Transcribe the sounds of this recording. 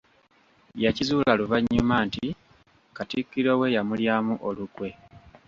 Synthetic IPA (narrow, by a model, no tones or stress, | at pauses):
jacizuːlaluvaɲːumaːnti | katikːiɾowe̞jamuljaːmuʔolukwe̞